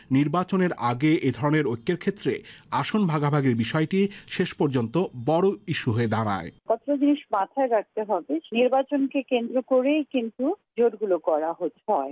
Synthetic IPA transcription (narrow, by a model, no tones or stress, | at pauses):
niɾbat͡ɕoneɾaɡeʔed̪ʱɔɾoneɾojkʰːeɾkʰet̪ːɾeaʃonbʱaɡabʱaɡeɾbiʃɔeʈiʃeʃpɔɾd͡ʑont̪obɔɽoiʃuɦoed̪aɾ̃a̰epɔt̪ːɾod͡ʑiniʃmat̪ʰaeɾak̚t̪eɦɔbeniɾbat͡ɕonkekend̪ɾokoɾejkint̪ud͡ʑoɾɡulokɔɾaɦot̪ɦɔe